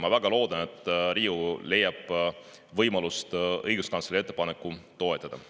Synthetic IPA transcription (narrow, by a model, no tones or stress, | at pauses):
mɑvæɡ̥ɑlo̞ːd̪̥ɑne̞t̪ːˑɾiːule̞jːɑb̥ | vɤjmɑlust̪ɤ̰jɡ̥uskɑnt̪selie̞t̪ˑːe̞pɑne̞kːˑut̪o̞et̪ːˑɑd̪̥ɑ̰